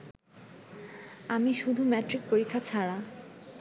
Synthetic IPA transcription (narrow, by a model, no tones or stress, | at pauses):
amiʃud̪ʱumɛʈɾik̚poɾikʰːat͡ɕʰaɽa